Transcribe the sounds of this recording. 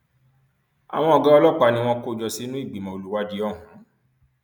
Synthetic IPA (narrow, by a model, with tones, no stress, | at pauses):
a̰˨w̃ɔ̃˧ɔ˨ɡa˦ɔ˧lɔ˦˨k͡pa˧˨nĩ˧w̃ɔ̃˧ko˦˨d͡ʒɔ˧si˦nũ˦i˦˨ɡ͡bi˨mɔ̃˨o˧lu˨˦wa˧˦d͡ʒi˦ɔ˦˨ɦũ˨˦